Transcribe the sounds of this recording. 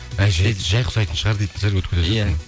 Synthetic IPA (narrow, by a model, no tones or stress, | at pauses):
æjʒeʒɑjqʰʊ̥sɑjt̪ənʃəʁɑɾd̪ejt̪ɪnleɾɡʲwɵt̪kʲezet̪m